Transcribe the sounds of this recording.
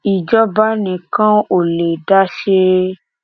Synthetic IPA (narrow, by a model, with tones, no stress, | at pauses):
i˨d͡ʒɔ˦ba˦nĩ˨kã˦o˨le˨da˦ʃe˦